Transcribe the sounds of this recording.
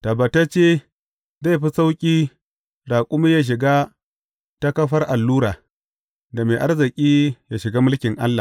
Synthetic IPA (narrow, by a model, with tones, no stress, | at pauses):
ta˨ba˨ta˦t͡ʃeː˦ | za˦˨jɸi˦sa˦wkʲʼiː˦ | daː˨kʷʼʊ˦miː˦ja˦ʃ̬ɪ˨ɡa˦ | ta˦kɐ˦ɸɐ˦rʔa˨lːuː˦ɾaː˨ | da˨meː˨ʔa˦rzɪ˨kʲʼiː˦ja˨ʃɪ˨ɡa˦mʊ˦lkʲɪ˨ŋʔa̰˦lːa̰˨